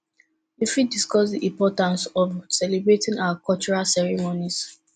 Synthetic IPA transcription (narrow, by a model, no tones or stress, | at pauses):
wifitdiskɔsdiʔĩmpɔtãnsɔvsɛlebɹetĩŋawakɔt͡ʃuɹalsɛɹimonis